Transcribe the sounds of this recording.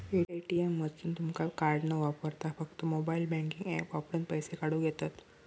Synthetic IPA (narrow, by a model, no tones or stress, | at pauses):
eeʈiemːəd͡zsunt̪umkakaɾɖnəʋapəɾt̪afək̚t̪əmobailbɛ̃ŋkiŋɡepʋapɾə̃npəjsekaɽũːɡʱet̪at̪